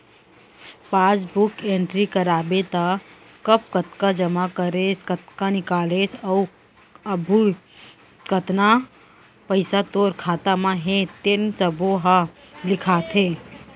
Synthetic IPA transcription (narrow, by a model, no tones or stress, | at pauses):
paːd͡ʒbukeɳʈɾikəɾaːbet̪a | kəpkət̪kad͡ʒəmakəɾet͡ʃkət̪kanɪkaːlet͡ʃʰə | əbʱu | kət̪na | pəɪsat̪oɾkʰaːt̪amãɦet̪ent͡ʃəboɦalɪkʰat̪ʰẽ